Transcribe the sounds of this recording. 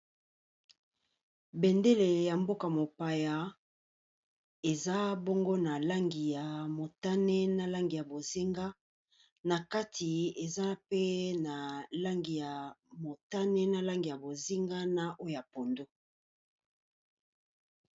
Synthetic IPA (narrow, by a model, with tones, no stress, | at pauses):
bɛ˨nde˦le˨ja˨mbo˦ka˨mo˨pa˨ja˨ | e˨za˦bo˦ŋɡo˦na˨la˦ŋɡi˨ja˨mo˨ta˦ne˦na˦la˦ŋɡi˨ja˨bo˨zi˦ŋɡa˦ | na˨ka˦tʰi˨e˨za˦pe˦na˨la˦ŋɡi˨ja˨mo˨ta˦nɛ˦na˦la˦ŋɡi˨ja˨bo˨zi˦ŋɡa˦na˨ʔo˦o˨ja˨po˨ndo˦